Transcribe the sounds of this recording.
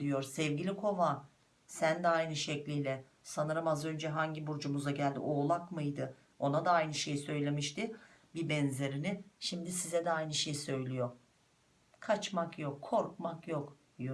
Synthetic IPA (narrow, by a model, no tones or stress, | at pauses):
d̪ijo̞ɾsɛvɟilʲikʰo̞va | sænd̪ɛajnɯʃɛclʲijlʲɛ | sanɯɾɯmazø̞nd͡ʒɛɦaɲɟibuɾd͡ʒumuzaɟælʲd̪ḭʔoːlˠakmɯjd̪ɯ | o̞nad̪aajnɯʃejsø̞jlʲe̞miʃt̪ɪbibɛnze̞ɾinɪʃimd̪isizɛd̪ɛajnɯʃejsø̞jlʲijo̞ɾ | kʰat͡ʃmakjo̞kʰːo̞ɾkmakjo̞k | j